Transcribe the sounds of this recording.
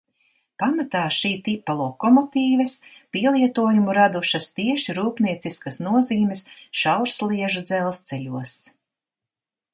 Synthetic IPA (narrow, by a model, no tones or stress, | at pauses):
pamat̪aːʃiːt̪ipːalˠɔkɔmɔt̪iːvɐspʲiɛlˠiɛt̪uɔjumuɾad̪uʃɐst̪iɛʃiɾuːpniɛt̪siskɐsnuɔziːmʲɛsʃawɾslˠiɛʒud̪zɛlˠst̪seʎʲuɔs